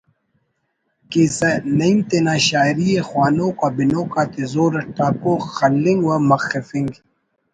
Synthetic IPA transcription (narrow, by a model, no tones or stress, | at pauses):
kesɐnɐimt̪enaːɕaːjɾijexwaːnoːkaːbinoːkaːt̪ezoːɾɐʈaːkoxɐlːiŋɡwɐmɐxɐfiŋɡ